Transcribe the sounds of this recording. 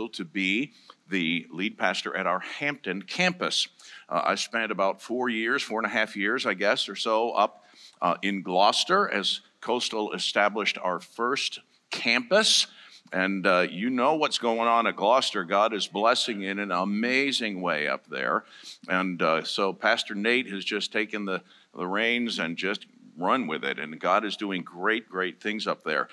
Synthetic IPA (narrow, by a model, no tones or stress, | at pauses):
l̩ˠtʰɨbi | ðɨlid̚pʰæstə̰˞ʔɨɾaʊə˞hæ̃mp̚tɨ̃nkʰæ̃mpɨsa̰ɪspɛ̃ntɨbaʊtfɔɹjɪɹz̥fɔɹə̃nɨɦæfjɪɹzaɪɡɛsə˞soʊʔʌp | ɪ̃nɡlɑstə˞ʔɨz̥ | kʰoʊstl̩ˠɨ̰stæblɨʃtʰa̰ʊə˞fɜ˞s | kʰæ̃mpəsʔɨ̃njɨnoʊwʌtsɡ̥oʊɪ̃ŋə̃nɨt̚ɡ̥lɑstə˞ɡɑɾɨzblɛsɪ̃ŋɪ̃nɨ̃nəmeɪzɪ̃ŋweɪʌ̰p̚ðə̰˞ɨ̃nsoʊpʰæstə˞neɪt̚hɨzd͡ʒʌstʰeɪkɨ̃nðɨ | ðə̰ɹẽɪ̃nzɨ̃nd͡ʒʌst̚ɹʌ̃nwɪðɪ̰ɾɨ̰̃nɡɑɾɨzdʉɪ̃ŋɡɹeɪt̚ɡ̥ɹeɪt̪̚θɪ̃ŋzʌp̚ðə̰˞